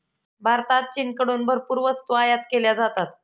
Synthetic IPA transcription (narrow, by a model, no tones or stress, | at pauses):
bʱaɾt̪at̪̚t͡ɕinkəɽunbəɾpuɾʋəst̪uajat̪̚keljad͡zat̪at̪